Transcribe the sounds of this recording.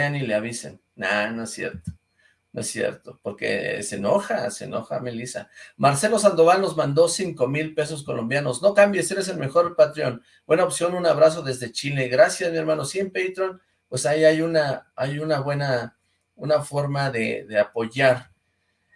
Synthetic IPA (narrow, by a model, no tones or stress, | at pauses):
anile̞aβ̞isḛnːa̰nosjḛɾt̪o̥ | nesje̞̰ɾt̪opo̞ɾkḛse̞noxa̰sḛno̞̰xa̰me̞lisa̰maɾse̞lo̞s̬ald̪o̞βalno̞zmãnd̪o̞siŋko̞milpe̞s̬o̞s̬ko̞lombjano̞zno̞kambjeseɾes̬e̞lme̞xo̞ɾpat̪ɾjo̞n | b̥we̞naopsjo̞nunaβ̞ɾas̬o̞ðe̞zðe̞t͡ʃile̞ɣɾasjasmieɾmãno̞siempejt̪ɾon | pwesaiajunaajunaβwe̞na | unafo̞ɾmaðe̞̰ðeapo̞ʝaɾ